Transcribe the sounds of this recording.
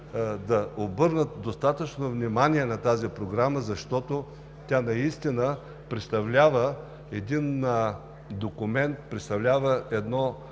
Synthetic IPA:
d̪ɐobɤɾnət̪̚d̪ost̪at̪ət͡ʃnovnimaniɛnɐt̪azipɾoɡɾaməzɐʃt̪ɔt̪o | t̪ʲanɐist̪inə | pɾɛt̪st̪ɐvlʲavə | ɛd̪in | d̪okʊmɛnt̪pɾɛt̪st̪ɐvlʲavəʔɛd̪nɔ

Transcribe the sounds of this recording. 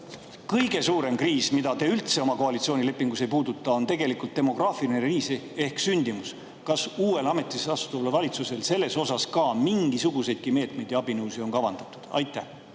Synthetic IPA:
kɤjɡe̞suːɾe̞mkriːsmid̪ɑt̪e̞ːylt̪se̞o̞mɑkoɑlit̪sio̞ːnʲile̞pːˑiŋɡ̥use̞jpuːd̪ut̪ːˑɑo̞nt̪e̞ɡe̞likult̪ːe̞mo̞ɡ̥rɑːfilineɾiːse | e̞hksynʲd̪̥imus | kɑsuːwe̞lɑme̞t̪ːˑisɑsu̥t̪uvlevɑlʲit̪suse̞lse̞lːe̞so̞sɑskɑːmiŋɡisuɡ̥use̞jd̪̥̚kime̞ːt̪me̞jd̪jɑɑb̥inɤwsio̞nkɑvɑnd̪̥ɑt̪ːˑu̥d̪̥ɑ̰jt̪ˑːæh

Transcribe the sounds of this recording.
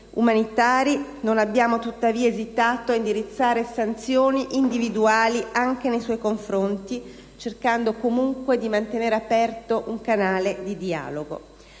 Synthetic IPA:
ṵmanit̪aːɾinonabːjaːmot̪ut̪ːaviːaezit̪aːt̪oaind̪iɾit̪sːaːɾesant̪sjoːniʔind̪ivid̪uaːliaŋk̟enejswɔjkoɱfɾont̪i | t͡ʃerkand̪okomuŋkwed̪imant̪eneːɾeapɛrt̪oʔuŋkanaːled̪id̪ia̰ːloɡo̰

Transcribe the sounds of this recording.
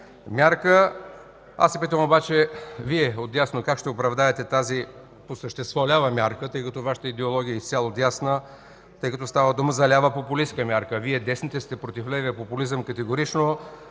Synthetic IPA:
mʲjaɾkə | a̰sːɛpit̪əmobat͡ʃɛviɛot̪jasnokakʃt̪ɛopɾɐvd̪aɛt̪ɛt̪azi | posəʃt̪ɛst̪vɔlʲavəmʲjaɾkət̪ɤjkɐt̪ɔvaʃə̥t̪əid̪ɛolˠɔɡʲiəist̪sʲjalˠot̪jasnə | t̪ɤjkɐt̪ɔst̪avəd̪uməzɐlʲavəpopʊliskəmʲjaɾkəviɛd̪ɛsnit̪ɛst̪ɛpɾot̪iflɛviəpopʊlizəmkət̪ɛɡoɾit͡ʃno

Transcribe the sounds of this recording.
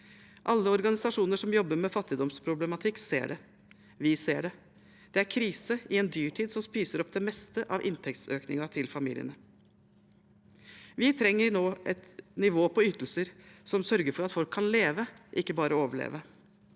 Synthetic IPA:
ʔɑlːəɔɾɡɑnɪsɑʂuːnəʂɔmjɔbːəɾmɛfɑt̪ːɪd̪ɔmspʰɾʊblɛmɑt̪ʰɪkːsḛːɖɛ | ʋɪseːɖɛ | d̪̥ɛæɾkʰɾiːsəɪɛnd̪yːʈʰiːd̪sɔmspiːsəɾɔpːd̪ɛmɛst̪əʔɑʋʔɪ̰nt̪ʰɛk̚t̪søːknɪŋɑt̪ʰɪlfɑmḭːlɪə̰nə | ʋɪt̪ʰɾɛŋːəɾnoːʔɛt̪nɪʋoːpʰɔʏt̪əlsəɾsɔmsœɾɡəɾfɔɾɑt̪fɔlkʰːɑnleːʋəʔɪkːəbɑːɾəoːʋəɭḛːʋə

